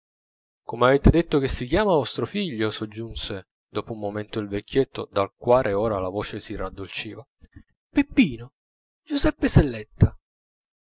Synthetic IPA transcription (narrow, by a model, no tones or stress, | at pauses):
komeaveːt̪ed̪et̪ːok̟esːik̟jaːmavɔst̪ɾofiʎːosod͡ʒːunse | d̪oːpoumːoment̪oilvekʰʲːjet̪ːo̰d̪alkwaːɾʔeoːɾalavoːt͡ʃesirad̪ːolt͡ʃiːva | pepːiːno | d͡ʒuzɛpːeselːɛt̪ːa